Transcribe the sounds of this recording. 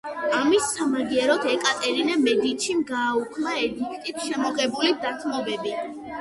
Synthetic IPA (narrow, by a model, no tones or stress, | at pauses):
amisːamaɡiɛɾɔt̪ʰɛkʼat̪ʼɛɾinɛmɛd̪it̪ʃimɡaːukʰnaɛɡikʰt̪ʼit̪ʰʃɛmɔʁɛbulid̪at̪ʰmɔbɛbi